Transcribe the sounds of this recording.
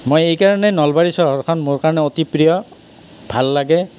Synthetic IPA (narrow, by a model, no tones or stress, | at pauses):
mojejkaɹɔnɛnɔlbaɹisɔɦɔɹkʰɔnmoɹkaɹɔnɛotipɹijɔ | bʱalːaɡɛ